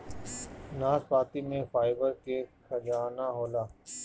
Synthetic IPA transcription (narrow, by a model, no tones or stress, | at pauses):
naːspaːt̪imẽfaːɪbəɾkekʰəd͡ʒaːnaɦoːlaː